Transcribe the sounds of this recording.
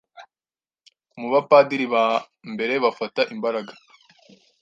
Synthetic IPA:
muβapaːdiɾiβa | mbe̞ɾe̞βafataʔimbaɾaɡa

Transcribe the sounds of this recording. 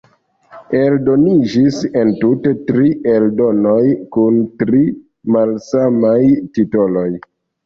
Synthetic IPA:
e̞ldo̞nid͡ʒise̞ntutetɾiʔe̞ldo̞nojkuntɾi | malsamajtito̞loj

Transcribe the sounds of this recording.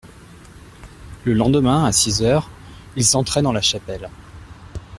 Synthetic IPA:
ləlɑ̃d̪əmɛ̃asizœʁilsɑ̃t̪χɛd̪ɑ̃laʃapɛl

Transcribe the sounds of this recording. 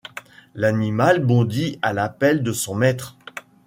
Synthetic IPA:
lanimalbɔ̃d̪ialapɛld̪əsɔ̃mɛt̪χ

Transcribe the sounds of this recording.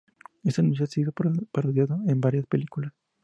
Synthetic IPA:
est̪enus̬jat̪siɣopaɾoðjaðoembaɾjaspelikulas

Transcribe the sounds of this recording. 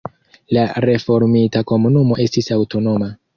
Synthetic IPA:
laɾe̞fo̞ɾmitako̞munumo̞ʔe̞stisawto̞no̞ma

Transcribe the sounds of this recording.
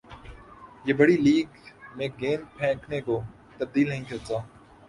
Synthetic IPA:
jeːbɐɽiliːɡmẽːɡeːnpʰɛ̃ːkʰneko | t̪ɐb̚d̪iːlnəɦĩkɐɾt̪aː

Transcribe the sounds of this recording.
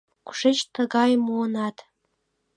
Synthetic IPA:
ku̥ʂet͡ɕt̪əɡɑjmuənɑt̪

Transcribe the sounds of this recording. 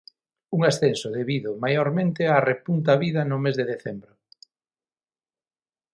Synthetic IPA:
uŋasθensʊðeβiðʊmajoɾmẽnt̪ɪarepunt̪aβiðɐnʊmezðeðeθembɾʊ

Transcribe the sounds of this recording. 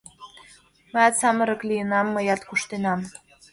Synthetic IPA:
məjɑt̪sɑmə̆ɾə̆klijənɑmːəjɑt̪kuʃt̪enɑm

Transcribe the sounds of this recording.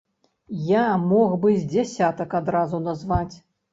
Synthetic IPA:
jamɔɣbɨzʲd͡zʲasʲat̪ɐkad̪ɾazunazvat͡sʲ

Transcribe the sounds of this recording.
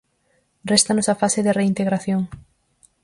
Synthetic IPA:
rest̪anʊsafaseðɪreint̪eɣɾaθjoŋ

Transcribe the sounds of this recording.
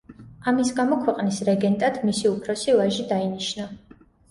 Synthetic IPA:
amisɡamɔkʰwɛqʼnisɾɛɡɛnt̪ʼad̪misiupʰɾɔsivaʒid̪ainiʃna

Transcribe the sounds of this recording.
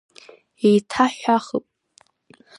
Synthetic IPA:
ejtʰaħʷᶣaχəpʼ

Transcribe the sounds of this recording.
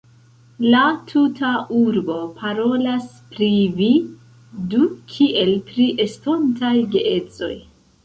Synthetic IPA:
latʰutʰaʔuɾbo̞pʰaɾo̞las | pɾivi | dukʰiʔe̞lpɾiʔe̞sto̞ntajɡeʔe̞t͡so̞̰j

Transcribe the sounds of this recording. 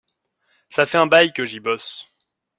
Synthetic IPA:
safɛɛ̃bajkəʒibɔs

